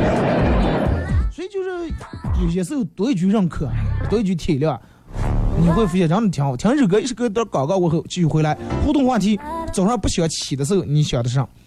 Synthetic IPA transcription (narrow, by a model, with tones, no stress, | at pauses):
swɔ˧˥i˨˩t͡ɕjo˥˧ʊʂɻ̩˥˩jo˨˩ʊɕ̬ɛ˧˥sɹ̩˥˧jo˨˩t̪we˧˥ɪ˧t͡ɕy˧˥ɻə˥˩nkʰɤ˨˩˨t̪wt͡ɕy˧˥t̪ʰɛ˨˩ljɑ˥˩a˨˩ | ni˨˩xwe˥˩ɪfu˧˥ɕjɛ˧˩ʈ͡ʂɑ˥ŋʈ͡ʂ̩˧˩t̪ʰjɑ˧˥ŋ˧˩t̪ʰɑ˧˥˧ɻ̩˥˩k̬ɤ˧˥i˧˥ʂɻ̩˥˩˧t̪kɑ˨˩ʊkɑ˥˧ʊwe˧˥xɤ˧˥˩t͡ɕi˥˧t͡ɕʰy˥˩xwla˧˥ɪxu˥˧t̪ʊ˥˧ŋxwa˥˩t̪ʰi˧˥t͡so˨˩ʊʂwa˥˧pu˥˩ɕʰi˨˩jɑ˥˩t͡ɕʰi˨˩d̪ə˦s̬ɹ̩˥˩jo˧˩ni˧˥˩ɕɑ˨˩d̪ə˧ʂ̩˥˩ɑ˥˩ŋ